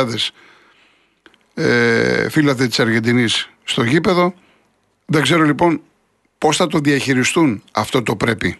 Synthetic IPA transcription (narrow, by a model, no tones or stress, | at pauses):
ɐðe̞s | efilɐt̪et̪i̥sɐɾʝe̞nd̪inisː | t̪o̞ʝipe̞ðo̞ | ðeɡze̞ɾo̞lipo̞n | po̞sθɐt̪o̞ðiɐçiɾist̪unɐft̪o̞t̪opɾe̞pi